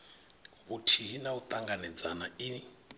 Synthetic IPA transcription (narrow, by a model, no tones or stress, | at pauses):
βutʰiɦinaut̪ʼaŋɡanɛd͡zanaii